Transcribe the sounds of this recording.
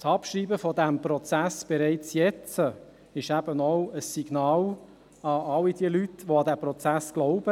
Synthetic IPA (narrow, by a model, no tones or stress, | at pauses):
t͡sɑpʃɾiːbəfɔd̪æmpɾɔt͡sæsb̥ɛɾɛɪt͡sjɛt͡sə | ɪʃæb̥ənɔʊəsːiɡ̥nɑːl | ɑɑlːid̥̪iəlytʋoɑd̪æpɾɔt͡sæsɡ̥lɔʊb̥ə